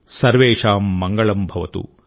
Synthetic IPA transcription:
sɐɾʋeːʂaːmːɐŋɡɐɭɐmbʱɐʋɐt̪ṵ

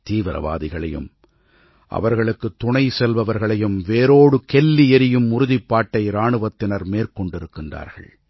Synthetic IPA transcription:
t̪iːʋɪɾɐ̰ʋa̰ːðɪɣɐɭɐjɯ̰m | ʔɐ̰ʋɐɾɣɐɭɯkːɯt̪ːʊɳɐɪsɛlʋɐʋɐɾɣɐɭɐjɯmʋeːɾoːɽɯkɛlːiɛɾɪjɯmʊɾʊðɪpːaːʈːɐɪɾaːɳɯʋɐt̪ːɪnɐɾmeːɾkɔɳɖɪɾɯkːɪndra̰ːɾɣɐ̰ɭ

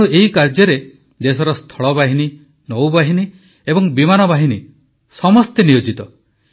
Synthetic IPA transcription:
uʔeɦikaɾd͡ʒɔɾe | d̪esɔɾɔst̪ʰɔɭɔbaɦini | nowbaɦini | ebɔŋbimanɔbaɦini | sɔmɔst̪enijod͡ʒit̪ɔ

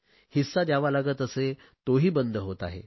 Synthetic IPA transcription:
hisːad̪jaʋalaɡət̪əse | t̪oɦiːbənd̪ʱəɦot̪a̰ɦḛ

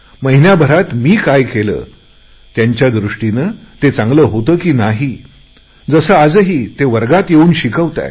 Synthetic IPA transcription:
məɦinjabʱəɾat̪miːkajkelə̰ː | t̪jaɲt͡ɕjad̪ɾuʂʈinəːt̪et͡sãŋɡləːɦot̪əːkiːnaɦi | d͡zəsəːad͡zɦiːt̪eʋəɾɡat̪jeuːnɕikəʋt̪a̰j

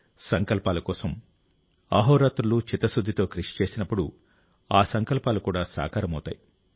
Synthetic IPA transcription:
sɐŋkɐlpaːlukɔːsɐm | aːɦɔːɾaːt̪ɾulut͡ʃit̪ːɐsud̪ʱːit̪o̞ːkɾiʂi̥t͡ʃe̞ːsinɐpːuɽṵ | aːsɐŋkɐlpaːlukuːɽaːsa̰ːkaːɾɐmɐwt̪a̰ːji

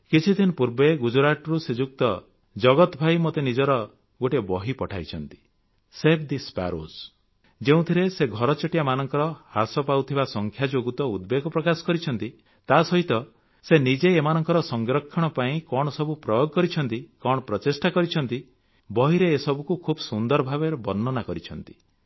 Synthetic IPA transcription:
kit͡ʃʰid̪ʰʱinɔpuɾbeɡud͡ʒuɾaʈɔɾused͡ʒuk̚t̪ɔ | d͡ʒɔɡɔt̪ɔbʱajmot̪enid͡ʒɔɾɔ | ɡoʈebɔɦipɔʈʰajt͡ʃʰɔnt̪i̥ | sebd̪ispa̰ɾo̰s | d͡ʒeũt̪ʰiɾeseɡʱɔɾɔt͡ʃɔʈibamanɔŋkɔɾɔhasɔpawt̪ʰibasɔŋkʰjad͡ʒoɡut̪ɔud̪beɡɔpɾɔkasɔ̥kɔɾit͡ʃʰɔnt̪i | t̪asɔɦit̪ɔ | senid͡ʒeːmanɔŋkɔɾɔsɔŋɡɾɔkʰːɔɽ̃ɔpaĩkɔɽ̃ɔsɔbupɾɔjoɡɔkɔɾit͡ʃʰɔnt̪ikɔɽ̃ɔpɾɔt͡ʃesʈakɔɾit͡ʃʰɔnt̪i | bɔɦiɾeːsɔbukukʰubsund̪ɔɾɔbʱabeɾɔbɔnːɔnakɔɾit͡ʃʰɔnt̪i̥

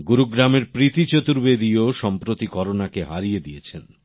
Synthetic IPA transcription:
ɡuɾuɡɾameɾpɾit̪it͡ɕot̪uɾbed̪ioʃɔmpɾot̪ikɔɾonakeɦaɾijed̪ijet͡ɕʰen

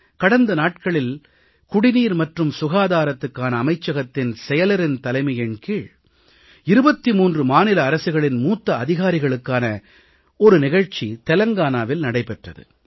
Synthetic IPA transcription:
kɐɽɐnd̪ɐnaːʈ̚kɐɭɪl | kʊɽɪniːɾmɐʈrɯmsʊɣaːðaːɾɐt̪ːɯkːaːnɐːmɐɪt͡ʃːɐɣɐt̪ːɪnsɛjɐlɐɾɪnt̪ɐlɐɪmɐjɐɳkiːɻ | ɪɾɯbɐt̪ːimuːndrɯmaːnɪlɐːɾɐsɯɣɐɭɪnmuːt̪ːɐɐðɪɣaːɾɪɣɐɭɯkːaːnɐ | ɔɾɯnɪɣɐɻt͡ʃit̪ɛlɐŋɡaːnaːʋɪlnɐɽɐɪpɛʈrɐ̰ðɯ̰

